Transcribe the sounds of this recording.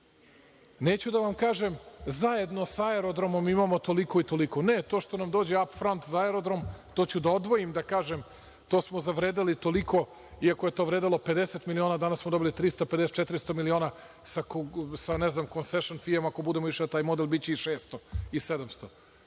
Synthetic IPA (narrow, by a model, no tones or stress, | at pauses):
neːt͡ɕud̪aʋamkaːʒemzaje̞d̪no̞saeɾod̪ɾomo̞mimaːmot̪o̞liko̞it̪o̞liko̞ne̞t̪oːʃt̪onamd̪o̞ːd͡ʑeapfɾont̪zaeɾod̪ɾomt̪oːt͡ɕud̪ao̞d̪ʋo̞jimd̪akaːʒem | t̪o̞ːsmozaʋɾeːd̪elit̪o̞liko̞ | iakojet̪oːʋɾeːd̪elˠo̞pe̞d̪eset̪milio̞ːnaːd̪anassmod̪o̞bilit̪ɾist̪aped̪et͡ʃet̪ɾist̪o̞miliona | saksaneznamkonseʃanfijomako̞bud̪emoʋiʃet̪aːjmo̞d̪elˠbit͡ɕiiʃeːst̪o̞ised̪amst̪o